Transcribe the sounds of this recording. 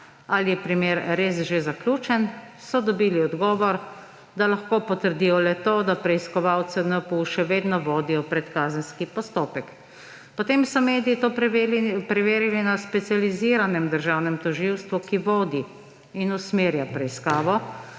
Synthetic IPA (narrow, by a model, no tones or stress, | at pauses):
alijɛpɾimeːɾɾeːsʒezaklʲuːt͡ʃɛn | sɔd̪ɔbiːliɔd̪ɡɔːʋɔɾ | d̪alaxkoːpɔt̪əɾd̪ijɔlɛt̪oːd̪apɾɛiskɔʋawt̪sɛnɛpuʃɛʋeːd̪nɔʋoːd̪ijɔpɾɛt̪kaːzənskipɔst̪oːpɛk | pɔt̪emsɔmeːd̪iit̪o | pɾɛʋeːɾilinaspɛt̪sializiːɾanɛmd̪əɾʒawnɛmt̪ɔʒiwst̪ʋukiʋoːd̪i | inusmeːɾjapɾɛiskaːʋɔ